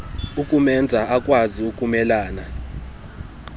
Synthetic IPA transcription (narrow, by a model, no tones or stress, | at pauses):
ukʼumɛnd͡zʱaʔakʼwaziukʼumɛlaːna